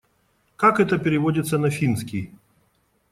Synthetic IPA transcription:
kakɛt̪əpʲɪɾʲɪvodʲɪt̪sənɐfʲinskʲij

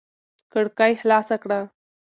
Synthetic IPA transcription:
kəɽkajhlasakɽa

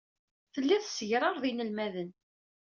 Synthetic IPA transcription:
θəlːæθsəʝɾˤɑɾˤðinəlmæðən

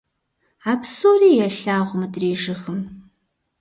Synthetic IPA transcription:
aːpsoːriːjɛɬaːʁʷʊmɨdreːʒɨxɨm

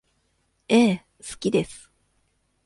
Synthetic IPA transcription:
eː | sɨ̥kʲid̪e̞sɨ̥

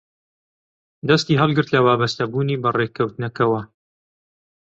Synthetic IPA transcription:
d̪ɐst̪iːɦɐlˠɡɨɾt̪lɐwaːbɐst̪ɐbuːniːbɐrekʰɐwt̪ɨnɐkɐwɐ

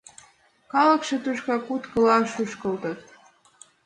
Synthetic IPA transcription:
kɑlə̆kʃĕt̪uʃkɑkut̪kə̆lɑʃuʃkə̆lt̪ɤt̪̚

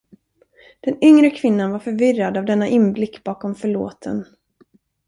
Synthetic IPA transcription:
d̪̥ɛnʏŋɾəkʰvɪnːanvaɾfœɾvɪrːad̪avd̪ɛnːaʔɪnblɪkːbɑːkɔmfœɭo̰ːt̪ʰə̰n

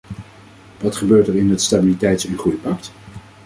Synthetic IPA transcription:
ʋɑtχəbøːɹtɛɹɪnətstabilitɛjtsɛnχujəpɑk̚t

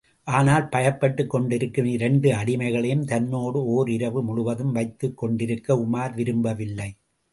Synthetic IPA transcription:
ʔaːnaːlpɐjɐpːɐʈːɯkːɔɳɖɪɾɯkːɯmɪɾɛɳɖɯɐɽɪmɐɪɣɐɭɐjɯmt̪ɐnːoːɽɯoːɾɪɾɐʋɯmʊɭʊʋɐðɯmʋɐɪt̪ːɯkːɔɳɖɪɾɯkːɐʊmaːɾʋɪɾɯmbɐʋɪlːɐɪ

